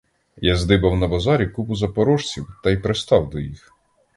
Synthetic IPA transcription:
jazd̪ɪbɐwnɐbɐzɑɾʲikupʊzɐpɔɾɔʃt͡sʲiwt̪ɐjpɾest̪ɑwd̪ɔjḭx

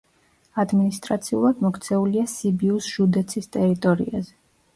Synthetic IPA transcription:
ad̪minist̪ʼɾat̪sʰiulˠad̪mɔkʰt̪sʰɛuliasibiusʒ̥ud̪ɛt̪sʰist̪ʼɛɾit̪ʼɔɾḭa̰zɛ

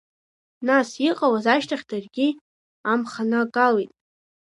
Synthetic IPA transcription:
nasiqʼawazaʃtʰaχʲdarɡʲi | amχanɨkʼalejtʼ

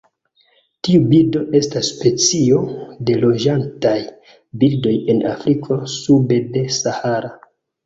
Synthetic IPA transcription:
tiubildo̞ʔe̞stasːpe̞t͡sio̞de̞lo̞d͡ʒantaj | bildo̞je̞na̰fɾikʰo̞sube̞de̞sahaɾa

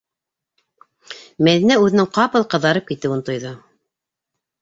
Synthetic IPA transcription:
mæðinæʉðɘ̆nɘŋqɑpɤlˠqɤ̆ðːɑɾɤp̚kit̪ɘwunt̪ŏjðo

